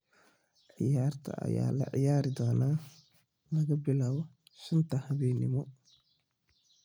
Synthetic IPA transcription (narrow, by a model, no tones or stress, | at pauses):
ʕɪjaːrt̪ʰɐ̰ɐ̰ja̰ːlɐ̰ʕɪ̰jaːɾɪd̪ɔːnaː | lɐɣɐbɪlaːβɔ | ʃɪnt̪ʰɐhɐβɛːnɪ̰mɔ